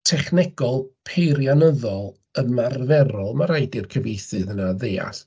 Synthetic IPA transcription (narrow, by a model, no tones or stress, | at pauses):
tʰɛχnɛɡ̥ɔlˠpʰejrjanəðɔlˠ | əmarvɛɾɔlˠmaɾajdɪrkʰəvejθɨðənaðeːa̰s